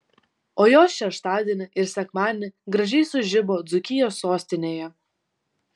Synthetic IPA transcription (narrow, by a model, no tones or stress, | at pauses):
oːjoːʃʲɛʃt̪ɑːd̪ʲiɛnʲɪʔɪɾsʲɛkmɑːd̪ʲnʲɪɡɾɐʒʲɛɪsʊʒʲɪboːd̪zʊkʲɪjoːsːoːsʲt̪ʲɪnʲeːjɛ